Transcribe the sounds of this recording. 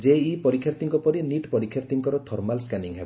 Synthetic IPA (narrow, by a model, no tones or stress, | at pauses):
d͡ʒeipɔɾikʰjaɾt̪iŋkɔpɔɾiniʈpɔɾikʰːjaɾt̪iŋkɔɾɔt̪ʰɔɾmalskaniŋɦebɔ